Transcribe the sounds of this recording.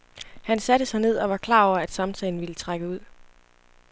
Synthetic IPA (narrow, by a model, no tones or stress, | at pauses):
hænsæd̥əsɑ̈ɪne̝ð̞̰ˠɒ̽ʋɑ̈kʰlɑ̰̈ːɒ̰ʊ̰ɐæd̥sɑ̈mt͡sʰɛɪn̩ʋilət͡sʰʁaɡ̥əuð̞̰ˠ